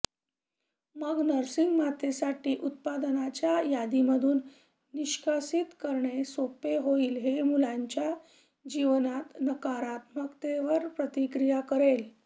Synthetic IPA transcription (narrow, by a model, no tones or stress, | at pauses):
məɡnəɾsiŋɡmat̪esaʈiːʔut̪̚pad̪nat͡ɕjajad̪iməd̪ʱuːnː | iɕkʰasit̪kəɾɳesopeɦoiːlɦemulãɲt͡ɕja | d͡ʑiʋnat̪nəkaɾat̪məkt̪eʋəɾpɾət̪ikɾijakəɾel